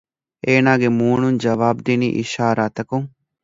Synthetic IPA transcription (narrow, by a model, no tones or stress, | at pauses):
eːnaːɡemuːɳund͡ʒɐʋaːb̚d̪iniʔɪ̰ʃaːɾaːt̪ɐkũ